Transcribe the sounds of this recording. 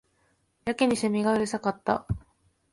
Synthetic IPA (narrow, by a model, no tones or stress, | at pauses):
jakiɲ̟isemʲiɡaɯɾisakat̪ːa̰